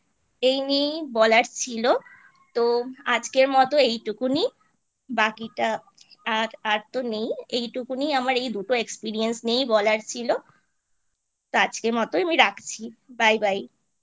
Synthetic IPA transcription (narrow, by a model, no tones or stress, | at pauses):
ejnejbɔlaɾt͡ɕʰilo | t̪oad͡ʑkeɾmɔt̪oejʈukuni | bakiʈa | aɾaɾt̪onejejʈukuniamaɾejd̪uʈoekspiɾiensnejbɔlaɾt͡ɕʰilo | t̪oad͡ʑkeɾmɔt̪oamiɾakʰt͡ɕʰibajbaj